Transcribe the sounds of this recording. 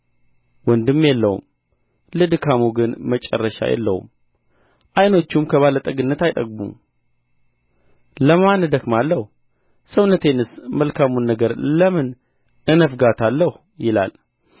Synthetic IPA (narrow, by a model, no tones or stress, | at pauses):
wɔnd̪ɨmːjɛlːəhṵm | lɨd̪ɨkʰamuɡɨnmət͡ʃʼɛ̰rːəʃa̰jɛ̰lːə̰hṵm | ʔajno̞t͡ʃːumkʰəβalət̪ʼəɡɨnːət̪ajt̪ʼəɡ̚bṵm | ləmand̪əkmalːəh | səwnət̪ʰenɨsməlkʰamunːəɡəɾləmɨn | ɨnəfɡat̪ʰalːəh | jɪla̰l